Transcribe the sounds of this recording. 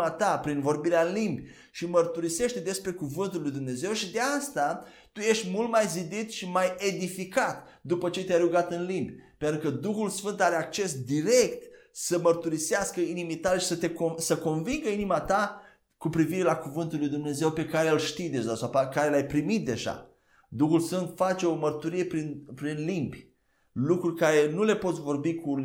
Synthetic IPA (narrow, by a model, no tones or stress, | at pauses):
at̪apɾinvo̞rbiɾeaɨnlimbʲ | ʃimərt̪uɾise̞ʃt̪ed̪e̞spɾe̞kuvɨnt̪ulːujd̪umne̞ze̞wʃid̪east̪a | t̪uje̞ʃt̪ʲmult̪̚majzid̪it̪ʃimaje̞d̪ifikat̪ | d̪upət͡ʃe̞t̪eajɾuɡat̪ɨnlimbʲpent̪ɾukəd̪uxulsfɨnt̪aɾeak̚t͡ʃe̞sd̪iɾe̞kt̪ | səmərt̪uɾiseaskəinimit̪aleʃi̥sət̪e̞kosəko̞nviŋɡəinimat̪a | kupɾiviɾe̞lakuvɨnt̪ulːujd̪umne̞ze̞wpe̞kaɾelʃt̪ijd̪e̞ʒasawpakaɾelajpɾimit̪̚d̪e̞ʒa̰ | d̪uxulsfɨnt̪fat͡ʃe̞o̞mərt̪uɾije̞pɾinpɾinlimbʲ | lukɾurʲkaɾe̞nule̞po̞t̪sʲvo̞rbiku